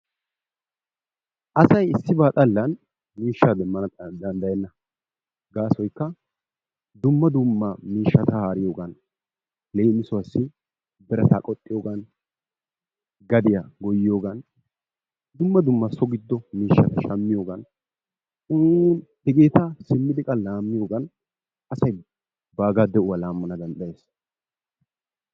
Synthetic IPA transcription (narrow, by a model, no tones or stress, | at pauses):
ʔɐsɐjɪsːɪbaːt̪ʼɐlːɐn | miːʃːaːd̪ɛmːɐnɐd̪ɐnd̪ɐjɛnːɐ | ɡaːsɔjkːɐ | d̪ʊmːɐd̪ʊmːɐmiːʃːɐt̪ɐhaːɾɪjo̞ːɡɐn | leːmɪsʊwɐsːɪ | bɛɾɛt̪a̰ːkʼɔt̪ʼːɪjo̞ːɡɐn | ɡɐd̪ɪjaɡɔjɪjo̞ːɡɐn | d̪ʊmːɐd̪ʊmːɐsɔɡɪd̪ːɔmiːʃːɐt̪ɐʃɐmːɪjo̞ːɡɐn | ʊnhɛɡe̞ːt̪ɐsɪmːɪd̪ɪkʼɐlaːmːɪjo̞ːɡɐn | ɐsɐj | baːɡaːd̪ɛʊwɐlaːmːɐnɐd̪ɐnd̪ɐjeːs